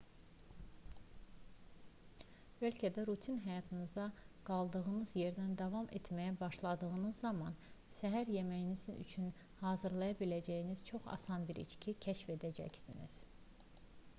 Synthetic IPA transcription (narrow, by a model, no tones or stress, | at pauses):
bølcʰæd̪æɾut̪ʰinɦæjɑt̪ʰɯnɯzɑɡ̥ɑlˠd̪ɯɣɯnɯzje̞ɾd̪ænd̪ɑvɑmʔḛt̪ʰmæjæbɑʃlˠɑd̪ɯɣɯnɯzːɑmɑn | sæɦæɾje̞mæjinizy̰t͡ʃʰyn | hɑːzɯɾlˠɑjɑbilæd͡ʒæjiniz̥t͡ʃʰo̞χɑ̰sɑnbiɾḭt͡ʃcʰicʰæʃfe̞d̪æd͡ʒæ̰csinḭz̥